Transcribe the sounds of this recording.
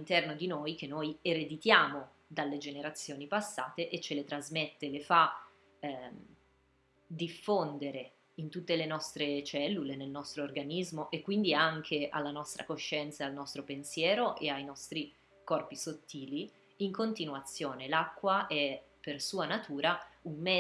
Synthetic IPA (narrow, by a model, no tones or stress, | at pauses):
alint̪ɛrnod̪inojkenːojeɾed̪it̪jaːmo | d̪alːed͡ʒeneɾat̪sːjoːnipasːaːt̪eʔet͡ʃːelet̪ɾazmet̪ːelefa | d̪ifːond̪eɾe | int̪ut̪ːelenɔst̪ɾet͡ʃɛlːulenelnɔst̪ɾoːrɡanizmoʔekːwind̪iaŋkʰeʔa̰lːanɔst̪ɾa̰koʃːɛnt̪saalnɔst̪ɾopensjɛːɾoʔeajnɔst̪ɾi | kɔrpisot̪ːiːli | iŋkont̪inuat̪sːjoːnelakːwaɛ | persuːanat̪uːɾaummɛ